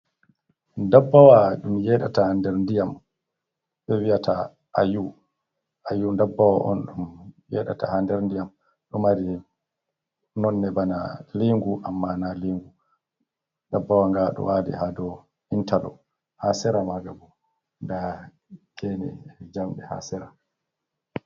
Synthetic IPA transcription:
ndabːawaɗumjɛɗatahandɛɾndijam | ɓɛwiatʰa | ʔaju | ʔajundabːawaʔɔ̰nɗumjɛɗa̰ta̰handɛɾndijam | ɗɔmaɾi | nɔnːɛbanaliŋɡuʔamːanaliŋɡu | dabːawaŋɡaɗɔ̰waːdɛ̰hadɔ | intalɔ̰ | hasɛɾamaɡabɔ | nda | kʰɛnɛ̰d͡ʒamɗɛha̰sɛɾa

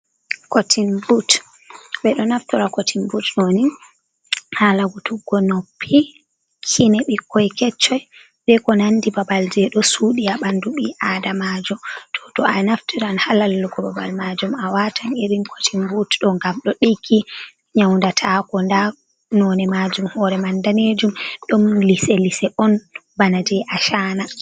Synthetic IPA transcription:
kotʰinbut | ɓɛɗɔnaftuɾakotʰinbutɗoni | halaɡutuɡɔnopʰːi | kʰinɛɓikʰːɔjkɛt͡ʃːɔj | ɓɛkɔnandibabald͡ʒɛɗɔsuɗiaɓanduɓiʔadamad͡ʒɔmtʰɔ̥tɔʔanaftiɾanhalalːukɔbaba̰lmad͡ʒumawatʰaneɾinkʰo̥timbutɗɔŋɡamɗɔɗikʰːi | ɲawndatʰakɔnda | nɔnɛmad͡ʒumhɔɾɛmandaned͡ʒumɗɔmlisɛlisɛʔɔnbanad͡ʒɛʔaʃaːna

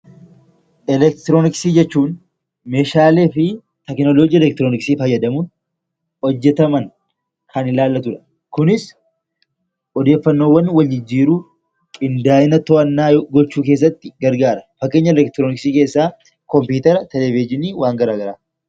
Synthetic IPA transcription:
ɛlɛkt̪ɪɾoːnɪksiːd͡ʒɛt͡ʃːuːn | meːʃaːle̞ːfɪ | t̪ɛknɔloːd͡ʒiːɛlɛk̚t̪ɾoːnɪksiːfɐjːɐd̪ɐmuːn | hɔd͡ʒːɛt̪ɐmɐn | kɐnɪlaːlːɐt̪ʊᶑɐ̥ | kʊnɪs | ʔɔd̪e̞ːfːɐnːoːwːɐnwɐld͡ʒɪd͡ʒːiːɾuː | kʼɪnd̪aːʔɪnɐt̪ɔʔɐnːaːɡɔt͡ʃːuːke̞ːs̬ːɐt̪ːɪɡɐɾɡaːɾɐfɐkʼːeːɲːɐɛlɛk̚t̪ɪɾoːnɪksiːke̞ːsːaː | kɔmpuːt̪ɐɾɐt̪ɛlɛvɪd͡ʒɪniːwaːŋɡɐɾaːɡɐɾaː

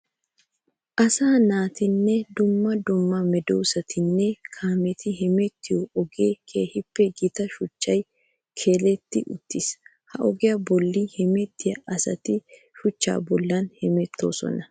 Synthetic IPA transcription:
ʔɐsaːnaːt̪ɪnːɛd̪ʊmːɐd̪ʊmːɐmɛd̪o̰ːsɐt̪ʰɪnːɛkʰaːmɛt̪ɪɦɛmɛt̪ːɪjɔɔɡeːkʰeːhɪpːɛɡɪt̪ɐʃʊt͡ʃːɐj | kʰe̞ːlɛt̪ːɪʔʊt̪ːɪs | hɐʔɔɡɪjɐbɔlːɪhɛmɛt̪ʰːɪjɐʔɐsɐt̪ɪ | ʃʊt͡ʃːa̰ːbɔlːɐnhɛmɛt̪ːo̰ːsɔ̰nɐ

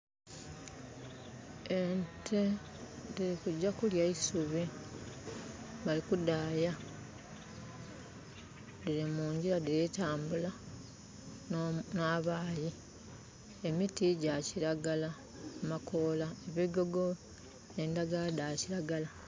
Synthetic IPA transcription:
entʰe | diɾikuɟːakuljaisuβi | βalikudaja | diɾimuːɲɟiɾadiɾetaːmbula | naːβaːji | e̞mitiɟaciɾaɡala | makʰo̞ːlaeβiɡo̞ɡo̞ | e̞ndaɡadaciɾaɡala

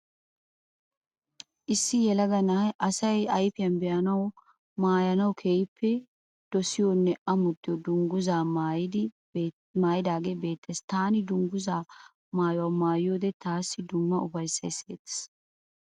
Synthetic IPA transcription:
ʔɪsːɪjɛlɐɡɐnɐɐʔɐsɐjɐjfɪjɐnbɛjɐnɐw | maːjɐnɐwkʰeːjɪpʰːɛ | d̪̥ɔsɪjonːɛʔɐmʊt̪ːɪjod̪ʊŋɡʊzaːmaːjɪd̪ɪ | maːjɪd̪aːɡe̞ːbe̞ːt̪ːest̪aːnɪd̪ʊŋɡʊzaː | maːjwaːmaːjjo̞ːd̪ɛt̪aːsːɪd̪ʊmːɐʔʊfɐjsːɐjsḛːt̪ːɪ̥s

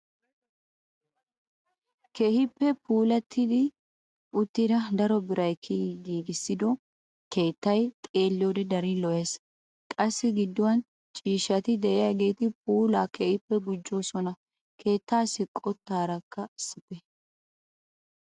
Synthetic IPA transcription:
kehɪpːɛpʰuːlɐt̪ʰːɪd̪ɪ | ʔʊt̪ːɪd̪ɐd̪ɐɾɔbɪɾɐjkʰːɪɡiːɡɪsːɪd̪ɔ | ke̞ːt̪ːɐjt̪ʼe̞ːlːɪjoːd̪ɛd̪ɐɾɪlɔʔeːs | kʼɐsːɪɡɪd̪ːʊwɐn | t͡ʃʼiːʃɐt̪ɪd̪ɛʔɪjaɡe̞ːt̪ɪpʰuːlaːkʰehɪpːɛɡʊd͡ʒːo̞ːsɔnɐ | kʰe̞ːt̪ːaːsɪkʼɔt̪ːaːɾɐkːɐɪsːɪt̪ɛ

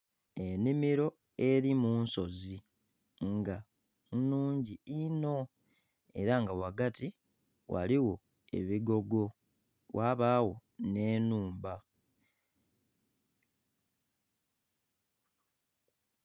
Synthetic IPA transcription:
e̞nimiɾo̞ | e̞ɾimuːnso̞zi | ŋɡa | nuːɲɟiino̞ | e̞ɾaŋɡawaɡati | wa̰liwo̞ | e̞̰βiɡo̞ɡo̞ | waβaːwo̞ne̞ːnuːmba

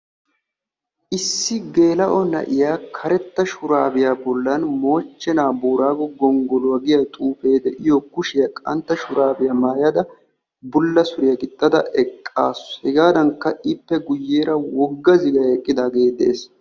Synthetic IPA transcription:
ʔɪsːɪɡe̞ːlɐʔɔnɐ̰ʔɪjaːkʰɐɾɛt̪ːɐʃʊɾaːbɪjaːbɔlːɐnmo̞ːt͡ʃːɛnaːbuːɾaːɡɔɡɔŋɡɔlʊwɐɡɪjɐt̪ʼuːfeːd̪ɛʔɪjɔkʊʃɪjɐkʼɐ̰nt̪ːɐʃʊɾaːbɪjamaːjɐd̪ɐ | bʊlːɐsʊɾɪjɐɡɪt̪ʼːɐd̪ɐʔɛkʼːa̰ːshɛɡaːd̪ɐŋkːɐʔɪpːɛɡʊjːeːɾɐwɔɡːɐzɪɡɐɛkʼːɪd̪aːɡeːd̪e̞̰ːs

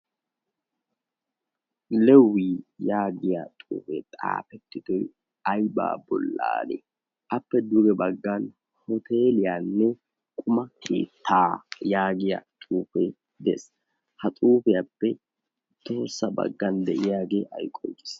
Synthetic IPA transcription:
lɛwːiːjaːɡɪjat̪ʼṵːfḛt̪ʼa̰ːpɛt̪ːɪd̪ɔj | ɐjba̰ːbɔ̰lːa̰ːlḛ | ʔɐpːɛd̪ʊɡɛbɐɡːan | hɔt̪eːlɪjaːnːɛ | kʼʊmɐkʰḛːt̪ːaːjaːɡɪja̰t̪ʼuːfe | d̪ɛs | hɐt̪ʼuːfɛjapːɛ | t̪o̞ːsːɐbɐ̰ɡːɐnd̪ɛʔɪjaːɡeːʔɐjkʼɔkːɪ̥s

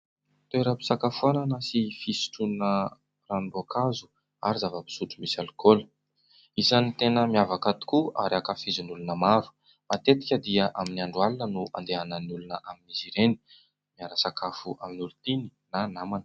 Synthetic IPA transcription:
t̪oeɾəpi̥sakafuananəsifisi̥ʈ͡ʂunə | ranbakʰazu̥ | a̰ɾizavəpi̥suʈ͡ʂumisalkolə̥ | izanit̪enəmiavakat̪i̥kua̰ɾiakafizunulunəmaɾu̥ | mat̪et̪i̥kʲəd̪iəʔaminiaɳɖ͡ʐualinənuʔa̰nd̪eanəniulunəʔaminiziɾeni̥ | miaɾəsakafuʔaminulut̪ini̥nanamanə̥

